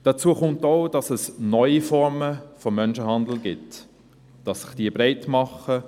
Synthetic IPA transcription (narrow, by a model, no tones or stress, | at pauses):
d̥ɑt͡suəχʊntoʊd̥ɑsəsnɔʏifɔɾməfɔmːœnʃəɦɑndl̩ɡɪt | d̥ɑsːɪ̥χd̥iːəbɾeɪtmɑχə